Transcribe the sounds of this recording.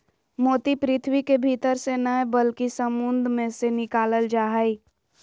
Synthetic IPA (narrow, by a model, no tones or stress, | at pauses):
moːt̪ipɾɪt̪ʰwikebʱit̪əɾsenəɦɛbəlkisəmʊnd̪ʱmẽsenɪkaːləld͡ʒaːɦai